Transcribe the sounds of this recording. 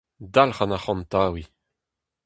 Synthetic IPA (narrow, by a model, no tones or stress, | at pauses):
d̪alχanaχɑ̃nt̪aːwi